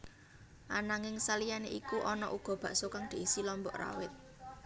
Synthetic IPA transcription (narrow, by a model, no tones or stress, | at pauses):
ʔanaŋɪŋsalijaneʔikuʔɔnɔʔuɡ̥ɔ̤b̥ä̤ʔsokaŋd̪̥e̤isilɔmbɔʔra̰wɪt̪̚